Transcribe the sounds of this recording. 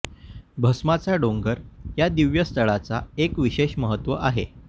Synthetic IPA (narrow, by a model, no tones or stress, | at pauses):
bʱəsmat͡saɖoŋɡəɾjad̪iʋjəst̪əɭat͡saekʋiɕeɕməɦət̪ʋəʔaɦḛ